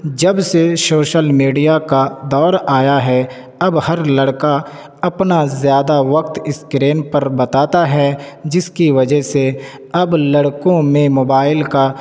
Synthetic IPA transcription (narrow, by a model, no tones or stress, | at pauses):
d͡ʒɐbsesoːʃəlmiːɖijakad̪ɔːɾaːjaɦɛ | ɐbhɐɾlɐɽka | ɐpnazjaːd̪aʋɐk̚t̪ɪskɾeːnpɐɾbɐt̪aːt̪aɦɛd͡ʒɪskiʋɐd͡ʒəɦse | ɐblɐɽkõmẽmoːbaːɪlka